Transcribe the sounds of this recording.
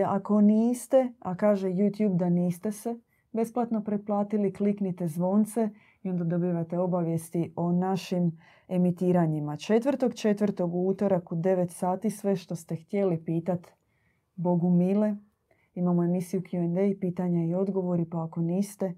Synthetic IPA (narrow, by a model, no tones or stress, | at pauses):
ako̞niːst̪e̞akaːʒe̞jut̪juːbd̪aniːst̪e̞se̞ | be̞splˠat̪no̞pɾet̪̚plˠaːt̪ilikliknit̪e̞zʋo̞ːnt̪se̞ | io̞nd̪ad̪o̞biːʋat̪e̞o̞baʋje̞st̪io̞naʃim | e̞mit̪iːɾaɲimat͡ʃe̞t̪ʋrt̪o̞ɡt͡ʃe̞t̪ʋrt̪o̞ɡuuːt̪o̞ɾakud̪e̞ʋe̞t̪saːt̪isʋe̞ʃt̪o̞st̪e̞xt̪je̞lipiːt̪at̪ | bo̞ɡumiːle̞ | imamoe̞misijukjuend̪ejpiːt̪aɲaio̞d̪ɡo̞ʋo̞ɾipaːko̞niːst̪e̞